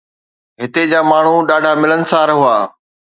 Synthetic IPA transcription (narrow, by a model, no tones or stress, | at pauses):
ɦɪt̪ed͡ʑaːmaːɳ̤uɗaːɖʱamɪlənɪ̆sãɾɐɦʊaː